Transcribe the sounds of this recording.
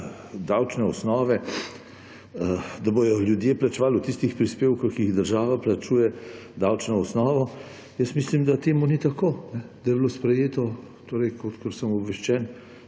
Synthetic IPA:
d̪awt͡ʃnɛɔsnɔːʋɛ | d̪abojɔljud̪jeːplat͡ʃɛʋalut̪ist̪ixpɾispeːwkɔxkːiiɣd̪əɾʒaːʋaplat͡ʃuːjɛd̪awt͡ʃnɔɔsnɔːʋɔ | jəst̪mislimd̪at̪eːmunit̪akoːnɛd̪̥ajɛblospɾɛjeːt̪ɔ | t̪oːɾəjkot̪kɔɾsəmɔbʋɛʃt͡ʃɛːn

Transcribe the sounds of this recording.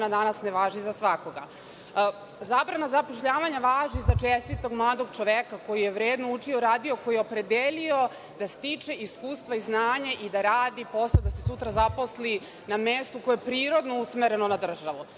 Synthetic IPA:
nad̪anasneʋaːʒizasʋako̞ɡa | zaːbɾanazapo̞ʃʎaːʋaɲaʋaːʒizat͡ʂest̪it̪o̞ɡmlˠaːd̪o̞ɡt͡ʃo̞ʋekako̞jijeʋɾeːd̪nout͡ʂio̞ɾaːd̪io̞ko̞jijeopɾe̞d̪elio̞ | d̪̥ast̪it͡ʂeʔiskuːst̪ʋaiznaːɲaʔid̪aɾaːd̪ipo̞sd̪asesut̪ɾazapo̞sli | namest̪ukojoepɾiːɾo̞d̪nousmeɾe̞nonad̪r̩ʒaʋu

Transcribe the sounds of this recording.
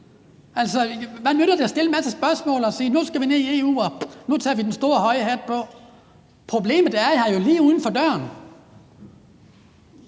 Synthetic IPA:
æl̰sɒʋænøɾ̥ɐd̥esd̥e̝ləmæsəsb̥ɶɐsmɔ̰̽ːlɒsiːnusɡ̥æʋineie̝ːṵːɒnut͡sʰɑ̰ːʋid̥ensd̥o̝ːɐɦɒ̽ɪəɦæd̥̚pʰɒ̽ | pʰʁo̝b̥le̝̰ːmð̩ˠæɐhɑ̈jo̝liːuːð̞ˠn̩fɒ̽d̥ɶɐn

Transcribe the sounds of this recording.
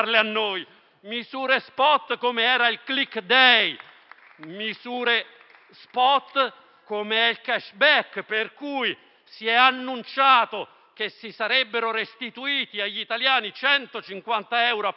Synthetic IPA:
rleanːoːj | mizuːɾespɔt̪ːkomeɛːɾailklikːd̪ɛj | mizuːɾe | spɔt̪ː | komeɛilkɛʃbɛkperkuj | siɛanːunt͡ʃaːt̪o | k̟esːisaɾɛbːeɾoɾest̪it̪uiːt̪iaʎːit̪aljaːnit͡ʃɛnt̪ot͡ʃiŋkwant̪aɛwɾoa

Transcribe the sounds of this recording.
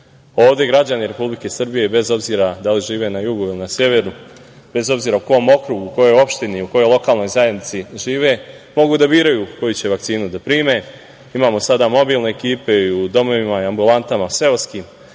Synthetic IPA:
o̞ːʋd̪je̞ɡɾad͡ʑaniɾe̞publike̞sr̩bije̞be̞zo̞bziːɾad̪aliʒiːʋe̞najuɡuilinasje̞ʋe̞ɾnu | be̞zo̞bziːɾauko̞mo̞kɾuɡuko̞jo̞jo̞pʃt̪iniuko̞jo̞jlˠo̞kaːlno̞jzajed̪nit̪siʒiːʋe̞ | mo̞ɡud̪abiːɾajuko̞jut͡ɕe̞ʋakt̪siːnud̪apɾiːme̞ | imaːmo̞sad̪amo̞biːlne̞ːkiːpe̞iud̪o̞mo̞ʋimaiambulˠant̪amase̞oskiːm

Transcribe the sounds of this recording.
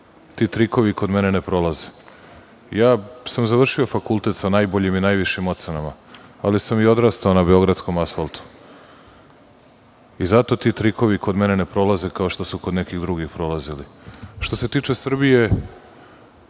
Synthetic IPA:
t̪iːt̪ɾiko̞ʋiko̞d̪me̞ne̞nepɾo̞lˠaze | jaːsamzaʋr̩ʃio̞fakulˠt̪e̞t̪sanaːjbo̞ʎiminajʋiʃimo̞t̪se̞namaalisamio̞d̪ɾaːst̪ao̞nabeo̞ɡɾat̪sko̞masfalˠt̪u̥ | izat̪o̞t̪it̪ɾiko̞ʋiko̞d̪me̞ne̞ne̞pɾo̞laze̞kaoʃt̪o̞suko̞d̪ne̞kiɣd̪ɾuɡixpɾo̞laziliʃt̪o̞se̞t̪iːt͡ʃe̞sr̩bije̞

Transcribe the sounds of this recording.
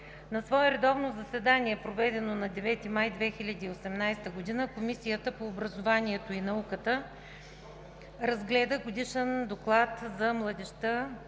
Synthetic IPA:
nɐsvɔɛɾɛd̪ɔvnozɐsɛd̪aniɛpɾovɛd̪ɛnonɐd̪ɛvɛt̪imajd̪vɛxilʲɐd̪iːosɛmnajst̪əɡod̪inəkomisijət̪əpoːbɾɐzovaniɛt̪oinɐukət̪ə | ɾɐzɡlɛd̪əɡod̪iʃɛnd̪oklˠat̪zɐmlˠɐd̪ɛʃt̪ə

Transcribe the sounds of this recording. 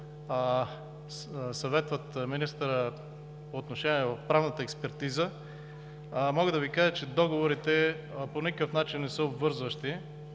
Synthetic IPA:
sɐvɛt̪vət̪minist̪əɾə | poːt̪noʃɛniɛvɐfpɾavnət̪əɛkspɛɾt̪izə | mɔɡəd̪ɐvikaʒət͡ʃɛd̪ɔɡovoɾit̪ɛ | ponikəkəfnat͡ʃinːɛsəobvɤɾzvəʃt̪i

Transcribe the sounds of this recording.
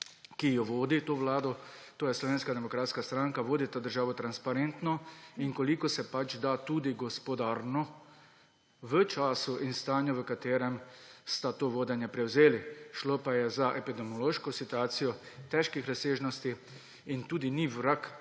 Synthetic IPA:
kijɔʋoːd̪it̪oːʋlaːd̪ɔt̪oːjɛslɔʋeːnskad̪ɛmɔkɾaːt̪skast̪ɾaŋkaʋoːd̪it̪ad̪əɾʒaːʋɔt̪ɾanspaɾent̪nɔinkɔlikɔsɛpad͡ʒd̪at̪uːd̪iɡɔspɔd̪aːɾnɔ | ʋət͡ʃaːsuʔinst̪aːnjɔʋəkat̪eːɾɛmst̪at̪oːʋoːd̪ɛnjɛpɾɛwzeːliʃloːpajɛzaʔɛpid̪ɛmjɔloːʃkɔsit̪uaːt̪sijɔt̪ɛʃkixɾaseːʒnɔst̪i | int̪uːd̪iniʋɾak

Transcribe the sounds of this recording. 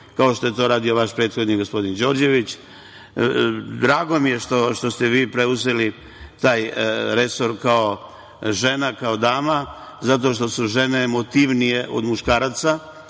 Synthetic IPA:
kao̞ʃt̪o̞je̞t̪o̞ɾaːd̪io̞ʋaʃpɾe̞ːt̪xo̞d̪niɡo̞spo̞d̪ind͡ʑo̞ːɾd͡ʒe̞ʋit͡ɕ | d̪ɾaːɡo̞mije̞ʃt̪o̞ʃt̪o̞st̪e̞ʋiːpɾe̞uzeli | t̪aːjɾe̞so̞ɾkao̞ | ʒe̞nakao̞d̪aːmazat̪̬o̞ʃt̪o̞suʒe̞ne̞ːmo̞t̪iʋnije̞ʔo̞̰d̪muʃkaːɾat̪sa

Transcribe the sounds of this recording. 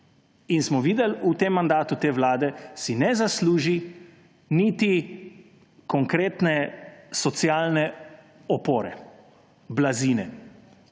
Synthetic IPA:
insmɔʋiːd̪ɛlut̪emːand̪aːt̪ut̪eːʋlaːd̪ɛsinɛzasluːʒi | nit̪i | kɔŋkɾeːt̪nɛsɔt̪sjaːlnɛ | ɔpoːɾɛ̰ | blaziːnɛ

